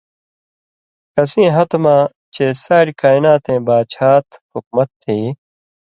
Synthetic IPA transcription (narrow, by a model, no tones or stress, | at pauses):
kɐsĩːɦɐt̪mãː | t͡ɕeːsaːɾkaːinaːt̪ẽːbaːt͡ɕʰaːt̪huk̚mɐt̪ːiː